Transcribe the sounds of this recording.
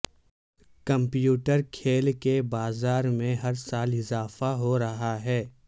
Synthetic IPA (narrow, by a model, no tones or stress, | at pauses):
kɐ̃mpjuːʈəɾkʰeːlkebaːzaːɾmẽɦɐɾsaːlɪzaːfaɦoɾɐɦaɦɛː